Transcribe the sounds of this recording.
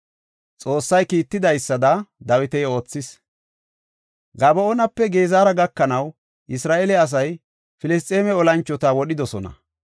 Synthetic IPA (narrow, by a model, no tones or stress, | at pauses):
t͡sʼo̞ːsːɐjkiːt̪ːɪd̪ɐjsːɐd̪ɐd̪ɐwɪt̪ɛjo̞ːt͡sːɪs | ɡɐbɔɔnɐpːɛɡe̞ːzaːɾɐɡɐkːɐnɐw | ʔɪsɾaːʔɛlɛɐs̬ɐj | fɪlɪs̬t̪ʼːeːmɛɔlɐnt͡ʃːɔt̪awɔɗɪd̪ɔsɔnɐ̰